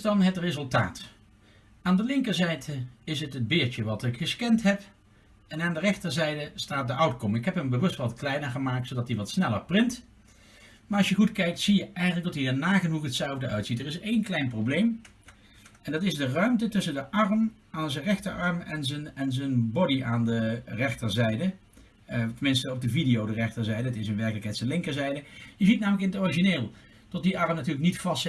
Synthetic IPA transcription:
dɑnɦətrezɵlˠta̰ːt | aːndəlɪŋkəɹzɛjdəɪsətəd̚bɪːɹt͡ʃəʋɑtɪkχəskɛntɦɛp | ɛnaːndərɛχtəɹzɛjdəstaːt̚dəʔɑwtkɔmɪkɦɛpɦəmbəʋɵstʋɑtklɛjnəɹχəmaːk̚tsodɑtdiʋɑtsnɛləɹprɪnt | maːɹɑsʃjəχutkɛjk̚tsijəʔɛjənlək̚dɑtiəɹnaːχənuχətsɛlˠvdəʔœɥtsitəɹɪsejnklɛjnprowblejm | ɛndɑtɪzdərœɥmtətɵsəndəʔɑrm | aːnzənrɛxtəɹɑɹmɛ̰nzənɛnzənbɔdiʔaːndərɛxtəɹzɛjdə | təmɪnstəɔb̚dəvidijowdərɛxtəɹzɛjdəətɪsənʋɛɹkələkɛjtsənlɪŋkəɹzɛjdəjəzit̚naːmləkɪnətɔriʒineːlˠ | tɔt̚diʔɑɹmnatyːɹləknitfɑst

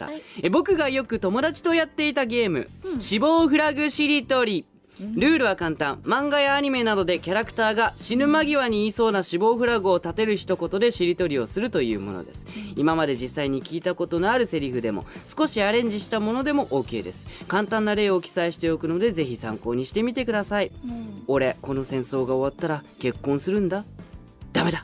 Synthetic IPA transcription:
bo̞kɯ̟ɡajo̞kɯ̟t̪o̞mo̞d̪at͡ɕi̥t̪o̞jat̪ːe̞it̪aɡe̞ːmɯ̟̰ɕibo̞ːɸɯ̟ɾaɡɯ̟ɕiɾʲit̪o̞ɾʲi | ɾɯ̟ːɾɯ̟βakãnt̪ãmmãŋɡajaːɲ̟ime̞nad̪o̞d̪e̞kʲaɾakɯ̟̥t̪aːɡaɕinɯ̟maɡʲiβaɲ̟iːso̞ːnaɕibo̞ːɸɯ̟ɾaɡɯ̟o̞t̪at̪e̞ɾɯ̟çi̥t̪o̞ko̞t̪o̞d̪e̞ɕiɾʲit̪o̞ɾʲio̞sɨɾɯ̟t̪o̞jɯ̟̰ːmono̰d̪e̞̰sɨ̥imamad̪e̞d͡ʑisːaiɲ̟ikʲiːt̪ako̞t̪o̞noaɾɯ̟se̞ɾʲiɸɯ̟d̪e̞mo̞̰sɨ̥ko̞ɕiaɾẽ̞ɲ̟d͡ʑiɕi̥t̪amo̞no̞d̪e̞mo̞ʔo̞ːke̞ːd̪e̞̰sɨ̥kãnt̪ãnːaɾe̞ːo̞kʲi̥saiɕi̥t̪e̞o̞kɯ̟no̞d̪e̞ze̞çisã̰ŋko̞ːɲ̟iɕi̥t̪e̞mʲit̪e̞kɯ̟d̪asaio̞ɾe̞ko̞no̞sẽ̞ɰ̃so̞ːɡao̞βat̪ːaɾake̞kːõ̞ɰ̃sɨɾɯ̟̃nd̪a | d̪̥ame̞d̪a

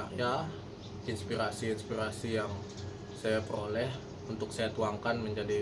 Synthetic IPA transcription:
ja | inspiɾasiːnspiɾasijaŋ | sajapəɾolɛh | unt̪ʊksajat̪uaŋkanməɲd͡ʒadi

